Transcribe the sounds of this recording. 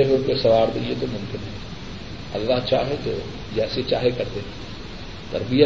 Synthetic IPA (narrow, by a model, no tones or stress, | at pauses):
eɦopesɐʋaːɾd̪eːet̪omʊmkɪnɦɛ̃ | ɐ̰ɡɾaɦt͡ʃa̰ːɦet̪o̰ | d͡ʒɛːset͡ʃa̰ːɦekɐɾt̪eː | t̪ɐ̰ɾbijə